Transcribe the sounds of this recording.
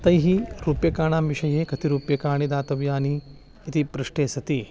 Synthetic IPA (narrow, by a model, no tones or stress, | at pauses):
t̪ɐjɦiɾuːpjɐkaːɳaːmʋiʃɐjeːkɐt̪iɾuːpjɐkaːɳid̪aːt̪ɐʋjaːniː | t̪ipɾɐʂʈeːsɐt̪i